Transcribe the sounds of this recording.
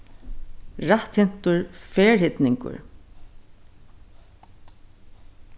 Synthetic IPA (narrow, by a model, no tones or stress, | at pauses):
ɾaht̪hɪn̥t̪ʊɹfɛːɹhɪt̪nɪŋkʊ̰ɹ